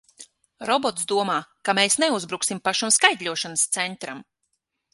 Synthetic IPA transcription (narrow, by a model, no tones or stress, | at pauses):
ɾɔbɔt̪sd̪uɔmaːkameːsneuzbɾuksimpaʃamskajd̪ʲʎʲuɔʃanəst̪sɛnt̪ɾam